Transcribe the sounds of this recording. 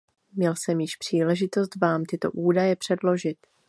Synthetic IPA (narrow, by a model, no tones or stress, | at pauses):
mɲɛlsɛmjɪʃpr̝̥iːlɛʒɪt̪o̞st̪vaːmt̪ɪt̪o̞̰ʔuːdajɛpr̝̥ɛdlo̞ʒɪt̪